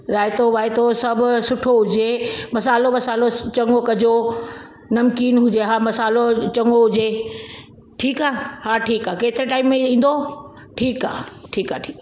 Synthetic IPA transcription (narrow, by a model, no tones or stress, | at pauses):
ɾaːɪt̪oʋaːɪt̪osɐbʱʊsʊʈʰoɦʊd͡ʑemɐsaːloʋɐsaːlot͡ɕɐŋɡokɐd͡ʑo | nɐmkiːnɦʊd͡ʑeɦaːmɐsaːlot͡ɕɐ̃ŋɡoɦʊd͡ʑe | ʈʰiːkaːhaːʈʰiːkaːkeːt̪ɪɾeʈaːɪmːẽĩːn̆d̪o | ʈʰiːka̰ːʈʰiːkaːʈʰiːka